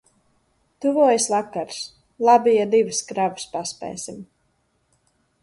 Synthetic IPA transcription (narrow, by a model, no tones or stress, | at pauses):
t̪uvuɔjsvakaɾs | lˠabʲijad̪ivskɾavu̥spaspɛ̰ːjsʲim